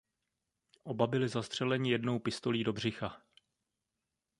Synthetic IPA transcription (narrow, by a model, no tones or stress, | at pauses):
ʔo̞babɪlɪzast̪r̝̥ɛlɛɲɪjɛdno̞wpɪst̪o̞liːdo̞br̝ɪxa